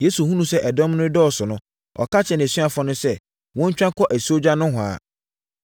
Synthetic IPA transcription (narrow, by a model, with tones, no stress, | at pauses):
je˨˦su˨hũ˦nũ˨sɛ˦ʔɛ˨dɔ̃˦mnʊ̃˦dɔ˦ɔ˨sʊ˨nʊ̃˦ | ɔ̰˨ka˦t͡ɕʰɛ˨ñ˨si˦a˨fɔ˦nʊ̃˦sɛ˦ | wɔ̃˦ɲ̩˦t͡ɕᶣã˦kʰɔ˦ʔæ˨so˦d͡ʑa˦nʊ̃˦ɦʊ̃˨a̰˨